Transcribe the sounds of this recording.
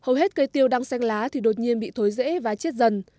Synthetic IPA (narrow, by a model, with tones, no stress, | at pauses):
hə˨˩wɦe˦˥t̚kə˧jt̪i˧əwɗa˧ŋsɛ˧jŋ̟laː˨˦t̪ʰi˨˩ɗo˨˩t̚ɲi˧ənɓḭ˧˨t̪ʰo˨˦jzḛ˧˥vaː˨˩t͡ɕe˦˥t̚zə˨˩n